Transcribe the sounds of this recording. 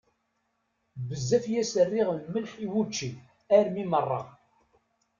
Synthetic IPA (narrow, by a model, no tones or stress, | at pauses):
bəzːæfjæsərːɪʁməlħiwut͡ʃːi | æɾmimərˤːɑ̰